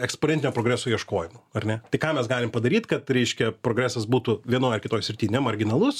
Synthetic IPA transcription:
ɛksponʲɛnʲt̪ʲɪnoːpɾoːɡɾʲæːsoːjiɛʃkoːjɪmʊɐrʲnʲɛt̪ɪkɑːmʲɛsɡɑːlʲɪmpɐd̪ɐɾʲiːt̪kɐt̪ɾʲɛɪʃʲkʲɛpɾoːɡɾʲæːsɐsbuːt̪ʊʋʲiɛnoːjɐrkʲɪt̪oːjsʲɾʲɪt̪ʲiːnʲɛmɐrʲɡʲɪnɐlˠʊs

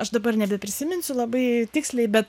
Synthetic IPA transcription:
ɐʃd̪ɐbɐrnʲɛbʲɛpʲɾʲɪsʲɪmʲɪnʲsʲʊlˠɐbɐɪt̪ʲɪksʲlʲɛɪbʲɛt̪

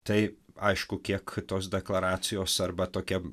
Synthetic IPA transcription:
t̪ɐɪɐɪʃkʊkʲiɛkt̪oːs̬d̪ʲɛklˠɐɾaːt̪sʲɪjoːsɐɾbɐt̪oːkʲɛ

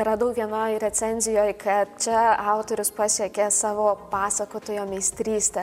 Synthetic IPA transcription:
ɛɾɐd̪ɐʊkʋʲiɛnoːjɾʲɛsʲɛnʲzʲɪjoːjkʰɐt̪t͡ʃʲɛɑˑʊt̪oːɾʲʊspɑsʲiɛkʲeːsɑːʋoːpɑːsɐkoːt̪oːjoːmʲɛɪsʲt̪ʲɾʲiːsʲt̪ʲɛ

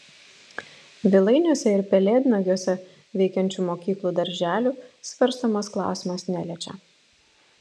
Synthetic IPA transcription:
ʋʲɪlˠɐɪnʲuɔsʲɛɪɾpʲɛlʲeːd̪ʲnoɡʲoːsʲɛ | ʋʲɛɪkʲɛnʲt͡ʃʲuːmoːkʲiːklˠuːd̪ɐɾʲʒʲæːlʲuːsʲʋʲɐɾst̪oːmɐsklˠɑ̰ˑʊsʲɪmɐsnʲælʲɛːt͡ʃʲɛ̰

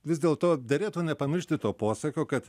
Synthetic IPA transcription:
ʋʲɪzd̪ʲeːlˠt̪oːd̪ʲɛɾʲeːt̪uːnʲɛpɐmʲɪɾʲʃʲt̪ʲɪt̪oːpoːsɐkʲoːkɐt̪

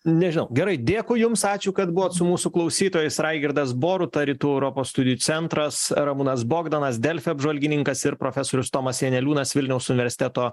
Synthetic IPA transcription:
nʲɛʒʲɪnɐʊɡʲɛɾɐɪd̪ʲeːkʊjʊmsɑːt͡ʃʲʊkɐt̪bʊʋoːt̪sʊmuːsʊklˠɐʊsʲiːt̪oːjɛɪsɾɐɪɡʲɪɾd̪ɐs̬boːɾʊt̪ɐɾʲit̪uːɛʊɾoːpoːsst̪ʊd̪ʲɪjuːt͡s̪ʲɛnt̪ɾɐsɾɐmunɐsboːɡd̪ɐnɐsd̪ʲɛlʲfʲɛɐbʒʋɐlʲɡʲɪnʲɪŋkɐsɪɾpɾoːfʲæsoːɾʲʊst̪oːmɐsjɛnʲɛlʲuːnɐsʋʲɪlʲnʲɛʊsʊnʲɪʋʲɛɾʲsʲɪ̥t̪ʲæt̪oː

